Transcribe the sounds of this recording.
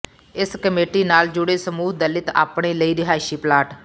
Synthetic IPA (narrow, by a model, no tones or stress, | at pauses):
ɪskəmeːʈiːnaːld͡ʒʊɽeːsəmuːɦd̪əlɪt̪a̰ːpɳeːləiːɾɪɦaːɪʃiːplaːʈ